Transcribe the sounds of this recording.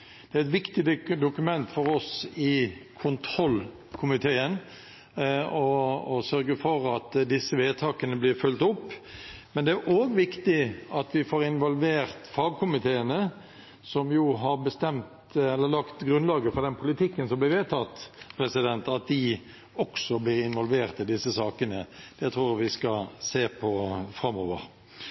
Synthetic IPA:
d̪̥ɛæɾɪt̪ʋɪkt̪ɪd̪d̪ʊkʉmɛnt̪fɔɾɔsɪkʰʊnt̪ʰɾɔlː | kʰʊmɪt̪ʰeːən | ɔɔsœɾɡəfɔɾɑt̪d̪ɪsːəʋeːt̪ʰɑːkənəblɪɾfʉlt̪ʊpːmɛnd̪ɛæɾʔoːɡʋɪkt̪ɪɑt̪ʋɪfoːɾɪnʋɔlʋeːɾt̪fɑːɡ̚kʰʊmɪt̪ʰeːənə | sɔmjuːɦɑɾbəst̪ɛmt̪ɛlːəlɑkt̪ɡɾʉnlɑːɡəfɔɾd̪ɛnpʰʊlɪt̪ʰɪkːənsɔmblɪʋeːt̪ʰɑt̪ːpʰɾɛsɪd̪ɛnt̪ɑt̪̚d̪ɪ | ɔksɔblɪɾɪnʋɔlʋeːʁt̪ɪd̪ɪsːəsɑːkənəd̪̥ɛt̪ʰɾuːʋɪskɑseːpʰɔfɾɑmoːʋə̰ɾ

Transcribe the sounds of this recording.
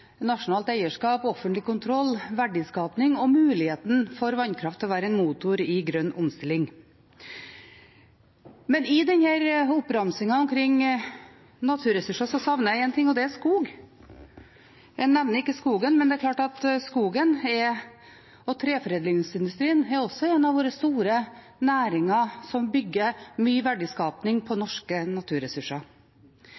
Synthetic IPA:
nɑʂʊnɑːlt̪æɪəʂkɑːpɔfənt̪lɪkʰʊnt̪ʰɾɔlːʋæɖɪskɑːpnɪŋɔmʉːlɪheːt̪n̩fɔɾʋɑnːkʰɾɑft̪ʰɛlɔʋæːɾəɛnmuːt̪ʊɾɪɡɾœnːʊmst̪ɪlːɪŋ | mɛnɪd̪ɛnhæːɾʊpːɾɑmsɪŋɑɔmkʰɾɪŋː | nɑt̪ʰʉːɾɛsʉʂɑsɔsɑʋnəjæɪɛnt̪ʰɪŋːɔd̪ɛæskuːɡ | jɛnɛʋnəɾɪkːəskuːɡənmɛnd̪ɛæɾkʰlɑːʈɑt̪skuːɡənɛ | ɔt̪ʰɾeːfɾeːd̪lɪŋsɪnd̪ʉst̪ɾiːənɛɾɔsɔeːnɑʋoːɾəst̪uːɾə | næːɾɪŋɑsɔmbʏɡːəmyːʋæɖəskɑːpnɪŋpʰɔnɔʂkənɑt̪ʰʉːɾɛsʉʂɑ

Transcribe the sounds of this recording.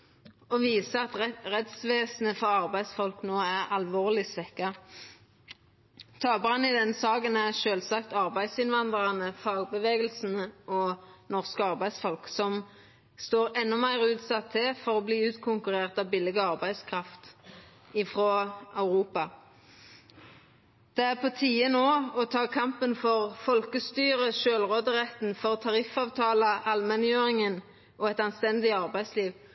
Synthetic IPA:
ɔʋiːsəɑt̪ʁɛt̪sʋeːsn̩əfɔʁɑʁbæɪsfɔlknoːæʁɑlʋoːʁlɪsʋɛkːɑ | t̪ʰɑːbʁɑnːɪd̪ɛnsɑːkənæʁʃøːlsɑkt̪ɑʁbæɪd̪sɪnʋɑnd̪ʁɑnəfɑːɡbəʋeːɡəlsn̩ɔnɔʁskəɑʁbæɪd̪sfɔlksɔm | st̪oːʁɛnːɔmæɪʁʉːt̪sɑt̪ʰːɪlfɔʁɔbliːʉːt̪kʰʊŋkʉʁeːʁt̪ɑʋbɪlɪɡəɑʁbæɪd̪skʰʁɑft̪ | ɪfʁoːɑʉʁuːpɑ | d̪̥ɛæʁpʰɔt̪ʰiːənoːɔt̪ʰɑːkʰɑmpənfɔʁfɔlkəst̪yːʁəʃøːlʁoːd̪əʁɛt̪n̩fɔʁt̪ʰɑʁɪfɑːʋt̪ʰɑːləʔɑlmɛnjøːʁɪŋən | ʔɔɛt̪ɑnst̪ɛnd̪ɪɑʁbæɪsliːʋ

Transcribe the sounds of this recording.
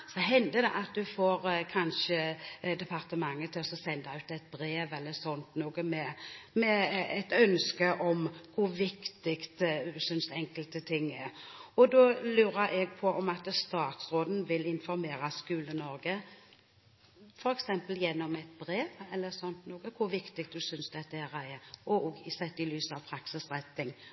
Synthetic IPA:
sɔɦɛnd̪əd̪ɛʔɑt̪̚d̪ʉfoːɾkʰɑnʃəd̪ɛpʰɑɾt̪əmɑŋːət̪ʰɪlɔsɔsɛnd̪ɑʉːt̪ɛt̪̚bɾeːʋɛlːəɾsɔnt̪nuːɡəmɛmɛɛt̪œnskəʔɔmkʰʊʋɪkt̪ɪkt̪sʏnsɛŋkəlt̪ət̪ʰɪŋːɛɾɔd̪ɔlʉːɾəɾʔɛɡ̚pʰɔʔɔmɑt̪st̪ɑːt̪sɾoːd̪n̩ʋɪlɪnfɔɾmeːɾɑskʉːlənɔɾɡə | fɔɾɛksɛmpəljɛnːɔmɛt̪̚bɾeːʋɛlːəsɔnt̪noːɡəkʰʊɾʋɪkt̪ɪkt̪̚d̪ʉsʏnsd̪ɛt̪ːəɛɾəɛɾɔɔɡɪsɛt̪ːɪlyːsɑʋpʰɾɑksɪsɾɛt̪nɪŋ

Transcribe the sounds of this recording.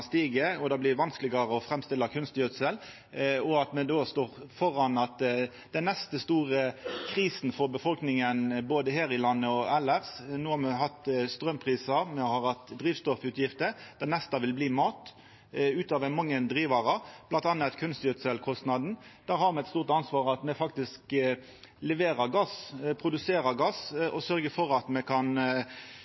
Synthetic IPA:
st̪iːɡəɔd̪ɑːblɪʋɑnsklɪɡɑɾəɔfɾɛmst̪ɪlːɑkʰʉnst̪jœt̪sɛl | ɔɑt̪mɛd̪oːst̪oːʁfɔɾɑnɑt̪ | d̪ɛnnɛst̪əst̪uːʁəkʰɾiːsn̩fɔɾbəfɔlknɪŋənboːd̪əheːɾɪlɑnːəɔɛlːæʁsnuːhɑɾmɛɦɑt̪ːst̪ɾœmpʰʁiːsɑmɛhɑɾhɑt̪d̪ʁiːʋst̪ɔfʉːt̪jɪft̪əd̪̥ænɛst̪ɑʋɪlbliːmɑːt̪ | ʉːt̪ɑːʋɛnmɑŋːənd̪ɾiːʋɑʁɑblɑnt̪ɑnːɑɛt̪kʰʉnst̪jʉt̪sɛlkʰɔst̪nɑd̪n̩d̪̥æːɾhɑɾmɛɛt̪st̪uːʁt̪ɑnsʋɑːʁɑt̪mɛfɑk̚t̪ɪsk | lɛʋeːɾəɾɡɑspʰɾʊd̪ʉseːɾəɾɡɑsʔɔsœɾɡəfɔɾɑt̪mɛkʰɑn

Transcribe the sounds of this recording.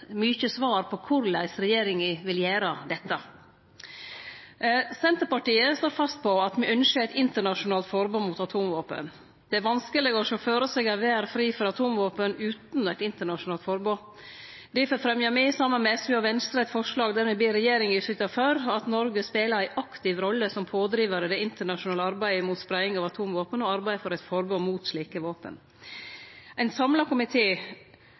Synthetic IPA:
myːçəsʋɑːɾpʰɔkʰʊɾlæɪsɾɛjeːɾɪŋɪʋɪljeːɾəd̪ɛt̪ːɑ | sɛnt̪əɾpɑʈiːəst̪oːɾfɑst̪̚pʰɔɑt̪mɛʔœnʃəæɪt̪ɪnt̪əɳɑʂʊnɑːlt̪fɔɾboːnmuːt̪ɑt̪ʰuːmʋoːpə̰n | d̪̥ɛæɾʋɑnskəlɪɡəɔʃɔføːɾəsɛɡæʋæːɾfɾiːfɔɾɑt̪ʰuːmʋoːpənʉːt̪nɔæɪt̪ɪnt̪əɳɑʂʊnɑːlt̪fɔɾbo | d̪ɪfɔfɾɛmjɑmɛsɑmːənmɛɛsʉɑʋɛnst̪ɾæɪt̪fɔʂɭɑːɡd̪æɾmɛbliːɾɛjeːɾɪŋɪʂlʏt̪ɑføɾɑt̪nɔɾɡəspeːləɾæɪʔɑkt̪ɪʋɾɔlːəsɔmpʰoːd̪ɾiːʋəɾəd̪ɛɪnt̪əɳɑʂʊnɑːləɑɾbæɪmuːt̪spɾæɪɪŋɑːʋɑt̪ʰuːmʋoːpənɔɑɾbæɪfɔɾæɪt̪fɔɾbonmuːt̪ʂɭiːkəʋoːpə̰n | æɪnsɑmlɑkʰʊmɪt̪ʰeː

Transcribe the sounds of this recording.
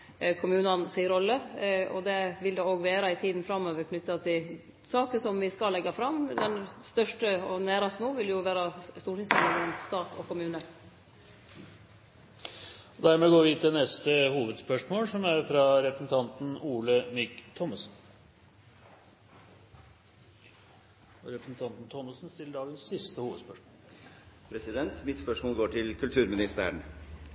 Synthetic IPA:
kʰʊmʉːnɑnsɪɪɾɔlːəɔ̰d̪ɛʋɪld̪eoːɡʋeːɾɑɪt̪ʰiːd̪n̩fɾɑmːøːʋəɾkʰnʏt̪ːɑt̪ʰɪl | sɑːkəsɔmʋɪskɑlːɛɡːɑfɾɑmd̪ɛnst̪œʂʈəɔnæːɾɑst̪nuːʋɪljʊʋæːɾɑst̪uːʈɪsmɛlɔmst̪ɑːt̪ʰɔ̰kʊmʉːnə | ɔd̪æɾmɛɡoːɾʋɪt̪ʰɪlnɛst̪əhuːʋəd̪spœʂmoːlsɔmæɾfɾɑɾɛpɾəsn̩t̪ʰɑnt̪n̩uːləmɪkt̪ʰɔmːəsn | ɔɾɛpɾəsn̩t̪ʰɑnt̪n̩t̪ʰɔmːəsn̩st̪ɪlːəɖɑːɡənsːɪst̪əhuːʋəd̪spœʂmoːpʰɾɛsɪd̪ɛnt̪mɪt̪spœʂmoːlɡoːʈʰɪlkʰʉlt̪ʰʉːɾmɪnɪst̪æ̰əɳ

